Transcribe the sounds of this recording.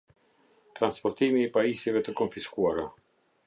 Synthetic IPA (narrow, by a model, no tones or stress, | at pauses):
t̪ɾanspɔɾt̪imiːpaisivɛt̪əkɔnfiskuaɾa